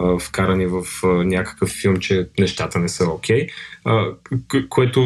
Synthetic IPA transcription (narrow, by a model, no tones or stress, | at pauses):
əfkaɾənivəfənʲakə̥kəfːilˠmt͡ʃɛnɛʃt̪at̪ənɛsəok̟ʰʲɛjəkoɛt̪ʊ